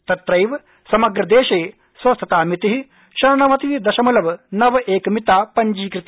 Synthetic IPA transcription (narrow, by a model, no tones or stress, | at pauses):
t̪ɐt̪ɾɐjʋ | sɐmɐɡɾɐd̪eːʃɐj | sʋɐst̪ʰɐt̪aːmit̪iɦi | ʃɐɾɳɐʋɐt̪id̪ɐʃɐmulɐʋnɐʋɐʔeːkɐmit̪aːpɐɲd͡ʒiːkɾit̪